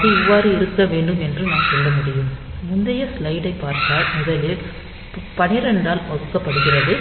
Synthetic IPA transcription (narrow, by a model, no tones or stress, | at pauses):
ɐðɯɪʋːaːɾɯɪɾɯkːɐʋeːɳɖɯmɛndrɯnãːsɔlːɐmʊɽɪjɯmmʊnd̪ɐjɐslɐɪɽɐɪpːaːɾt̪aːlmʊðɐlɪl | pɐnɪɾɛɳɖaːlpɐðɯkːɐpːɐɽɯɣɪrɐðɯ